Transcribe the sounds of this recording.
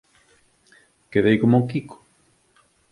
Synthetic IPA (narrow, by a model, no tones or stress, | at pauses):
keðejkomuŋkikʰo̥